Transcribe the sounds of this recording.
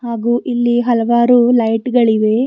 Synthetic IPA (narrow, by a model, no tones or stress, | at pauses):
ɦaːɡuːʔilːiɦɐlɐʋaːɾulɐjʈɡɐɭiʋe